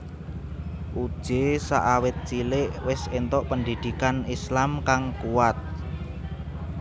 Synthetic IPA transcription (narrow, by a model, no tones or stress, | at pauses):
ʔud̥ʒ̥esa̰ʔawɪt̪̚t͡ʃilɪʔwɪsent̪ɔʔpənd̪i̤d̪̥i̤kanislamkaŋkuwat̪̚